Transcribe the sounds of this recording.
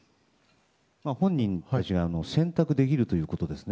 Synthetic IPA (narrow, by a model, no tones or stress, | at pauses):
mahõ̞ɲ̟ːĩnt̪at͡ɕiɡaːno̞sẽ̞nt̪akɯ̟d̪e̞k̬ʲiɾɯ̟t̪o̞jɯ̟ːko̞t̪o̞d̪e̞sɨ̥n